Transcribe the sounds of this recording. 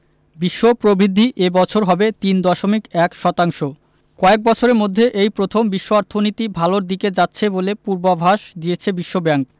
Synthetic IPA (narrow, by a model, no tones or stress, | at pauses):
biʃːopɾobʱid̪ʱːiʔebɔt͡ɕʰoɾɦɔbet̪ind̪ɔʃomikɛkʃɔt̪aŋʃo | kɔek̚bɔt͡ɕʰoɾeɾmod̪ʱːeʔejpɾot̪ʰombiʃːoaɾt̪ʰonit̪ibʱaloɾd̪iked͡ʑatːɕʰebolepuɾbabʱaʃd̪ijet͡ɕʰebiʃːobɛŋk